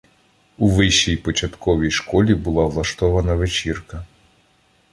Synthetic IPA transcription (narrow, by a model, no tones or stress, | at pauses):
uʋɪʃːijpɔt͡ʃɐt̪kɔʋʲijʃkɔlʲibʊlˠawlˠɐʃt̪ɔʋɐnɐʋet͡ʃirkɐ